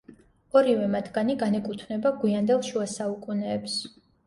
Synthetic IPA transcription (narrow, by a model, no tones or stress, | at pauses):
ɔɾivɛmat̪ʰɡaniɡanɛkʼut̪ʰnɛbaɡwiand̪ɛlˠʃuasaukʼunɛːps